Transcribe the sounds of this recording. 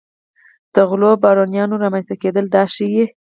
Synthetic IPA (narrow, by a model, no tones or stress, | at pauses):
d̪̥əɣlobɑɾɑnjɑnoɾamanst̪aked̪əld̪ɑʃije